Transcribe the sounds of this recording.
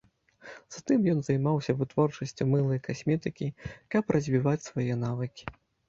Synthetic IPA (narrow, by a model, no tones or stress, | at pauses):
z̥at̪ɨmjɔn̪zɐjmawsʲɐvɨt̪vɔrt͡ʂɐsʲt͡sʲumɨlˠɐjkasʲmʲɛt̪ɨkʲikɐpɾʔɐzʲvʲivat͡sʲsvajɛn̪avɨkʲi̥